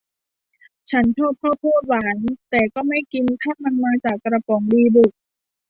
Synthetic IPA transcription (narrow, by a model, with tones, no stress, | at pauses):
t͡ɕʰa˦˥nt̪ʰɔː˥˩p̚kʰɔː˥˩p̚pʰuː˥˩t̪̚waː˩˦nt̪ɛː˨˩kɔː˥˩ma˥˩jki˧nt̪ʰaː˥˩ma˧nmaː˧t͡ɕaː˨˩kːɾa˧pɔ˩˦ŋdiː˧du˨˩k̚